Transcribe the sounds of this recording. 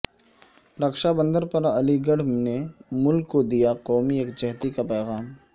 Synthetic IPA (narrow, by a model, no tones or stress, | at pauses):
ɾɐkʃabə̃nd̪əɾpɐɾɐliɡəɽ̤nemʊlkːod̪ijaqɔːmieːkd͡ʒɛɦt̪ikapɛːɣaːm